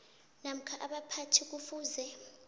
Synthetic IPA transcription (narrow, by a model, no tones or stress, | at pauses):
nam̩kʰaʔaɓapʰatʰik̬ufuːzɛ